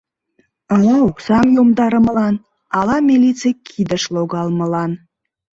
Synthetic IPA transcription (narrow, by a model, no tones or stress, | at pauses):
ɑlɑoksɑmjomd̪ɑɾəməlɑn | ɑlɑmʲilit͡sejkʰid̪əʃloɣɑlməlɑn